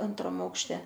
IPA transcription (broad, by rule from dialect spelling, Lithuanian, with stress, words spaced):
ˈɐntrɐm ɐʊkʃʲˈtʲɛ